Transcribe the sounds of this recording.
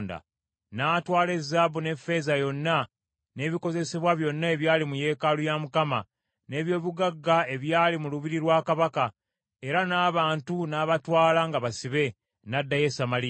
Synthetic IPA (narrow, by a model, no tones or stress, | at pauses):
nda̰ | naːtwaːle̞zːabune̞fːe̞zajo̞nːa | ne̞βiko̞ze̞seβwaβjo̞nːae̞βjaːlimuje̞ːkalujamukama | ne̞ːβjo̞ːβuɡaɡːae̞βjaːlimuluβiɾiɾwaːkaβaka | e̞ɾanaːβaːntunaːβatwaːlaŋɡaβasiβe̞ | nadːaje̞samali